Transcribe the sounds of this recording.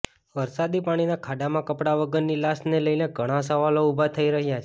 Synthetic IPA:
ʋəɾsad̪ipaɽ̃inakʰaɖamãkəpɽaʋəɡəɾnilasneləjneɡʱəɽ̃ãs̬əʋaloubʱat̪ʰəiɾəɦjat͡ʃʰ

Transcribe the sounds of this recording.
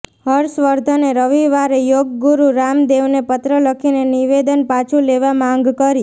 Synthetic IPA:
ɦəɾsʋəɾd̪ʱəneɾəʋiʋaɾejoɡɡuɾuɾamd̪eʋnepət̪ɾələkʰineniʋed̪ənpat͡ʃʰuleʋamãŋɡkəɾi

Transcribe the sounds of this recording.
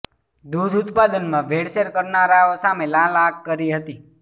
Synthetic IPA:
d̪ud̪ʊt̪pad̪ənmãʋʱeɽseɾkəɾnaɾaosamelãlaɡ̚kəɾiɦət̪i

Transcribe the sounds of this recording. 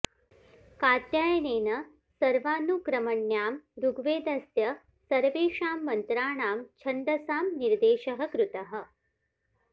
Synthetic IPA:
kaːt̪jaːjɐneːnɐ | sɐɾʋaːnukɾɐmɐɳjaːmɾuɡʋeːd̪ɐsjɐ | sɐɾʋeːʂaːmːɐnt̪ɾaːɳaːmt͡ʃʰɐɳɖ̪ɐsaːmniɾd̪eːʃɐɦɐ̆kɾut̪ɐɦɐ̆

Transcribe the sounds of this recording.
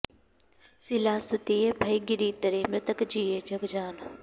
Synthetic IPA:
sɪlaːsʊt̪iːebʱɐjɡɪɾiːt̪əɾemɾət̪əkd͡ʒiːeːd͡ʒʱɐɡd͡ʒaːn

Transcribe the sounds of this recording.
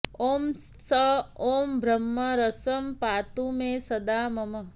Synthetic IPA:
omsəoːmbʱɾəmːəɾəsəmpat̪umesəd̪aməmə

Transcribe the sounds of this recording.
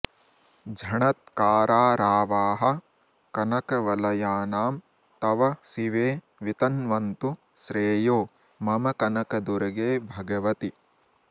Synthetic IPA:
d͡ʒʱɐɳɐt̪̚kaːɾʔaːɾaːʋaːɦɐ̆ | kɐnɐkɐʋɐlɐjaːnaːm | t̪ɐʋɐsiʋeː | ʋit̪ɐnʋɐnt̪u | ʃɾeːjoː | mɐmɐkɐnɐkɐd̪uɾɐɡeːbʱɐɡɐʋɐt̪i

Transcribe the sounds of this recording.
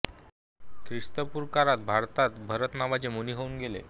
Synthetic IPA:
kɾiʂt̪əpuɾkaɾat̪̚bʱaɾt̪at̪bʱəɾət̪naʋat͡semuniɦounɡelḛ

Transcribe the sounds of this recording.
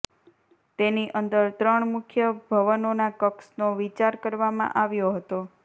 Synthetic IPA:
t̪eniʔənd̪əɾt̪ɾəɳmukʰjəbʱəʋənonakəksnoʋit͡ʃaɾkəɾʋamã̰ʔaʋjoɦət̪o

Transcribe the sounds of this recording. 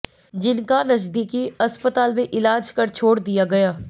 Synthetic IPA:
d͡ʒɪnkanəd͡ʒd̪ikiəspət̪aːlmẽʔɪlaːd͡ʒkəɾt͡ʃʰoːɽd̪ijaɡɐjaː

